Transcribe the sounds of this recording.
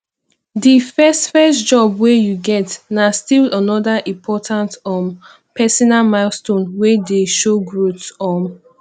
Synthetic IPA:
difɛstfɛstd͡ʒɔbwejuɡɛtnastilənɔdaʔĩmpʰɔtʰãntɔm | pʰɛsɔnalmaɪlstõnwɛdeʃoɡɹutsɔ̃m

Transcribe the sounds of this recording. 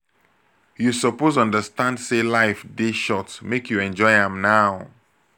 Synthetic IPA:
jusɔpozɔ̃ndəstãndselaɪfdeʃɔtmekʰjuɛ̃nd͡ʒɔɪãmnaʊ

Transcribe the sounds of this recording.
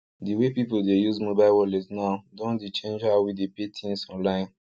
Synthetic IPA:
diwepipoldejuzmobaɪlwɔlisnaʊdõndit͡ʃẽnd͡ʒaʊwidepetʰĩnsɔ̃nlãɪ̃n

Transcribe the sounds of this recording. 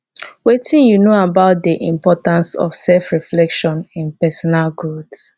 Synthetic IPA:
wetʰĩnjunoabaʊt̚diʔĩmpɔtãnsɔ̰fsɛlfɹiflɛkʃɔ̃nĩnpɛsɔnalɡɹuds

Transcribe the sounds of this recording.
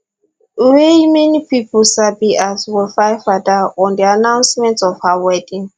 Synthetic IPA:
wemɛnipʰipʰɔlsabiʔazwɛfajfadaɔ̃ndianãw̃nsmɛ̃ntsɔfhawɛdĩŋ

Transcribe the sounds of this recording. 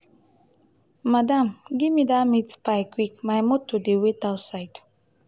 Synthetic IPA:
madamɡimidamitpakʷik̚majmotodewetaʊsajd

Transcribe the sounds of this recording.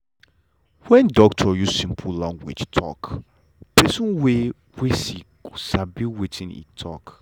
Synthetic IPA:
wɛ̃ndɔk̚tʰɔjuzsĩmpʰulãŋɡwḭd͡ʒtʰɔ̰k | dɛsũnwe | wesiku̥sabiwitʰĩnḭtʰɔk

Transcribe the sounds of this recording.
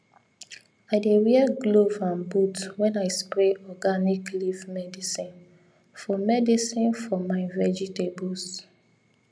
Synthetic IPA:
aɪdeɹiɛɡlovãnbutwɛ̃naɪspɹeʔɔɡaniklivmɛdisĩn | fɔmɛdisĩnfɔmavɛd͡ʒitebɔls

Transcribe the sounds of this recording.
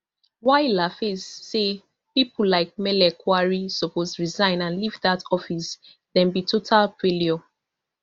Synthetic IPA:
waɪlafesːe | pipullaɪk̚mɛlɛkʰwaɹisɔposɹizãɪ̃nãnlivdatɔfis | dɛ̃mbitʰotʰalfeliɔ

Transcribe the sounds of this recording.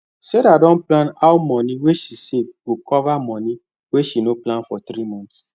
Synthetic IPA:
sedadɔ̃nplãnawmɔ̃nĩweʃiseɡokʰɔvamɔ̃nĩ | weʃinoplãnfɔt̪ɾimɔ̃nt

